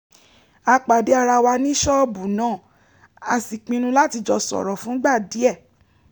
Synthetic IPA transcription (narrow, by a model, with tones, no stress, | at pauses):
a˧k͡pa˨de˨˦a˧ɾa˧wa˧nĩ˦ʃɔ˦bu˨nãː˦˨ | a˨si˨k͡pĩ˧nũ˧la˦ti˧d͡ʒɔ˧sɔ̰˨ɾɔ˨fũ˨˦ɡ͡ba˦˨di˨˦ɛ˦˨